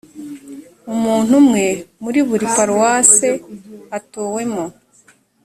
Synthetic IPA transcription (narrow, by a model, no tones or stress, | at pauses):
umuːn̥humŋe̞muɾiβuɾipaɾuwaseatoːwe̞mo